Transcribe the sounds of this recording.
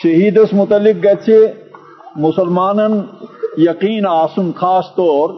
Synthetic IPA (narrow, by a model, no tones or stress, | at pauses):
ʃɐɦiːd̪ɐsmʊt̪ɐlːik̚ɡɐt͡ʃʰe | mʊsɐlmaːnɐnjɐqiːnaːsumkʰaːst̪ɔːɾ